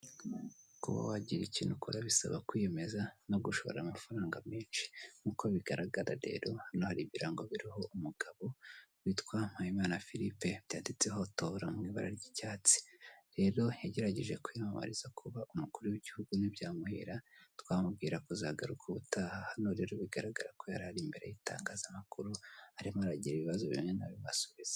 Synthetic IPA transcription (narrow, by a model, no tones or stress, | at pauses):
kṵβa̰waɟiɾicinukuɾaβisa̰βa̰kwijeme̞zano̞ɡuʃo̞βo̰ɾamafaɾaːŋɡameːnʃi̥m̥uko̞βiɡaɾaɡaɾa̰ɾe̞̰ːɾo̞hano̞haɾiβiɾaŋɡoβiɾiho̞umuɡ̥aβo̞witkwaːm̥hajimaːnafiɾipeβjaːndit͡seɦo̞toɾamŋiːβa̰ɾa̰ɾɟicaːt͡si̥ɾe̞ɾo̞jaɟe̞ɾaɟiʒe̞kwimama̰ɾiz̥akʰuβaʔumukuɾujiɟihuɡunibjaːmuhḭɾatwaːmub̚ɡiːɾakuzaɡaɾukʰuβutaːhahanoɾe̞ːɾo̞βiɡaɾaɡaɾako̞jaɾahaɾimbe̞ɾe̞̰jita̰ːŋɡazamakuɾuhaɾimohaɾaɟiɾiβiβazoβḭmŋe̞na̰βiβasoβiz̥e̥